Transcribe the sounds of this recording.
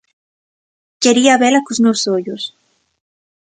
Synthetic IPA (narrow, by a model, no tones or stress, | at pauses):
keɾiaβelakoznosoʎos